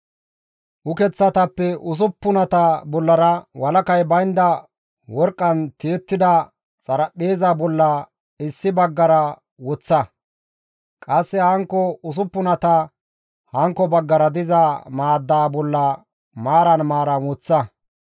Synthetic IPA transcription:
ʔʊkɛt͡sːɐt̪ɐpːɛʔʊs̬ʊpːʊnɐt̪ɐbɔlːɐɾɐwɐlɐkɐjbɐjnd̪ɐ | wɔɾkʼːɐnt̪eːt̪ːɪd̪ɐ | t͡sʼɐɾɐpːeːzaːbɔlːɐ | ɪsːɪbɐɡːɐɾɐ | wɔt͡sːɐ | kʼɐsːɛhɐŋkːɔʊs̬ʊpːʊnɐt̪ɐ | hɐŋkːɔbɐɡːɐɾɐd̪ɪzamaːd̪ːaːbɔlːɐ | maːɾɐnmaːɾɐnwɔt͡sːɐ

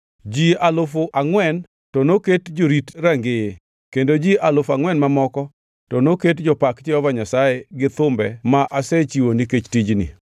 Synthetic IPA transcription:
d͡ʒialʊfʊʔaŋwɛn | tɔnoketd͡ʒoɾitɾaŋɡeje | kendod͡ʒialʊfaŋwɛnmamɔkɔ | tɔnoketd͡ʒɔpakt͡ʃɪɔvaɲasajeɡɪt̪ʊmbɛmaʔaset͡ʃiwoniket͡ʃtid͡ʒnḭ

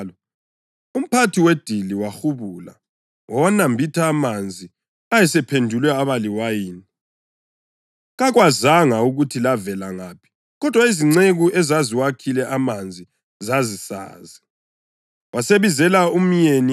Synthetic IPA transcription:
lɔ | um̩pʰatʰiwed̥ʱiliwaxuβula̰ | wɔwanambʱitʰaːmand͡zʱi | ajɛsɛpʰendʱulwɛaβaliwajiːni | ɣaɣwazaŋauɣutʰilavɛlaŋaːpʰi̥ | ɣɔd̥ʱwaiziŋ͡ǀeɣuʔɛzaziwakʰilɛʔamand͡zʱi | zazisa̰ːzi | wʔaseβizɛlaum̩ɲeni

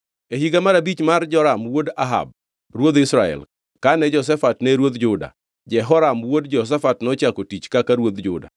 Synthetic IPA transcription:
eɦiɡamaɾabit͡ʃmard͡ʒɔɾamwodaɦa̰b̚ | rwod̪ɪsɾaɛ̰l | kanɛd͡ʒɔs̬ɛfatnɛɾwod̪d͡ʒʊda̰ | d͡ʒɛɦɔɾamwodd͡ʒɔs̬ɛfatnɔt͡ʃakotit͡ʃkakaɾwod̪d͡ʒʊ̰da̰

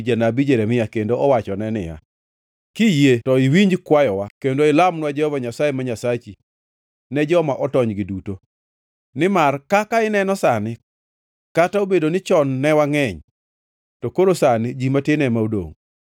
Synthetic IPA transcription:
d͡ʒanabid͡ʒeɾɛmɪjakendoɔwat͡ʃɔnɛnɪja̰ | kijetɔɪwiɲd͡ʒkwajɔwakendoɪlamnwad͡ʒɛhɔvaɲasajemaɲasat͡ʃi | nɛd͡ʒɔmaʔɔtɔɲɡɪduto | nɪmarkakaɪnɛnɔsanɪ | kataobedonɪt͡ʃɔnːɛwaŋɛɲ | tɔkoɾosanɪd͡ʒimatɪnɛmaodo̰ŋ

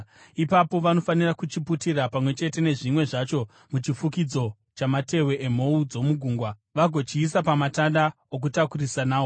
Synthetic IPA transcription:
ipapo̞ʋano̞fanirakut͡ʃiputirapamwe̞t͡ʃe̞te̞ne̞ʐimwe̞ʐat͡ʃo̞ | mut͡ʃifukid͡zo̞ | t͡ʃamate̞weʔem̤o̞ud͡zo̞muɡʱuːŋɡwaʋaɡʱo̞t͡ʃiːs̬apamatanda | ok̬utakurisanaːo

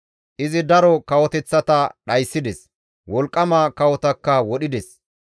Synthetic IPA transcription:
ʔɪzɪd̪ɐɾɔkɐwɔt̪ɛt͡sːɐt̪ɐɗɐjsːɪd̪ɛs | wɔlkʼːɐmakɐwɔt̪ɐkːɐwɔɗɪd̪ɛs

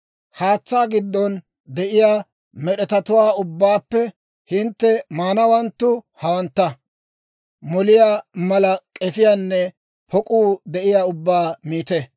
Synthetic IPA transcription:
haːt͡sːaːɡɪd̪ːɔn | d̪ɛʔɪjaː | mɛɗɛt̪ɐt̪ʊwaːʊbːaːpːɛ | hɪnt̪ːɛmaːnɐwɐnt̪ːʊhɐwɐnt̪ːɐ | mɔlɪjaːmɐlɐkʼɛfɪjanːɛ | pʰɔkʼuːd̪ɛʔɪjaːʊbːaːmiːt̪ɛ

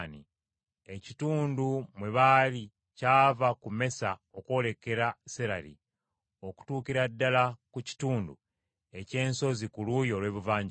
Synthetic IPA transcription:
nḭ | e̞cituːndumwe̞βali | caːvakume̞saokwo̞le̞ke̞ɾaseɾalḭ | o̞ku̥tuːkiɾadːalakuci̥tuːndṵ | e̞ce̞ːnso̞zikulujo̞ːlwe̞ːβuvaːɲɟ

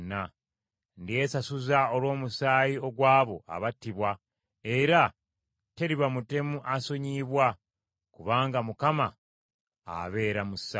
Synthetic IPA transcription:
na | ndie̞sasuzao̞lwo̞ːmusaːjio̞ɡwaːβo̞a̰βatːiβwa | e̞ɾa | te̞ɾiβamute̞muʔaso̞ɲiβwa | kuβaːŋɡamukama | a̰βe̞ːɾamusa

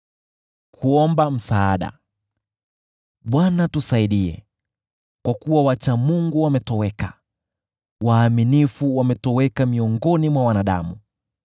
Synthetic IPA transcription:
kʰuɔmbam̩saaɗa̰ | ɓwanatusaiɗiɛ̰ | kwakuwawat͡ʃamuŋɡuwamɛtɔwɛka | waːminifuwamɛtɔwɛkamiɔŋɡɔnimwawanaɗa̰mu

